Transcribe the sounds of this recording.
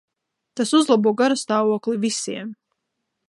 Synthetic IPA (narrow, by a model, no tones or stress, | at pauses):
t̪asuzlˠabuɔɡaɾast̪aːvuɔklivisiɛm